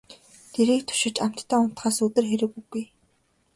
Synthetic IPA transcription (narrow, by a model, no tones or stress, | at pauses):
t̪ʰeɾiːkt̪ʰʊ̥ʃɪ̆t͡ɕam̥t̪ʰːæːʊn̥t̪χaːsɵt̪ɘ̆rxeɾɘ̆kuɡuj